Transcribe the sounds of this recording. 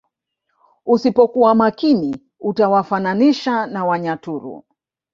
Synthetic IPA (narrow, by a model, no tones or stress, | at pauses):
usipɔkuwamakini | utawafananiʃanawaɲatuɾṵ